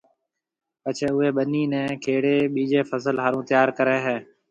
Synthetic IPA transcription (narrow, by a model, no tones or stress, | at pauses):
pət͡ʃʰeːʊɦeːɓəniːnɛ̃ːkʰeːɽeːɓiːd͡ʒeːfəsəlɦaːɾũːt̪jaːɾkəɾeːɦɛ̃ː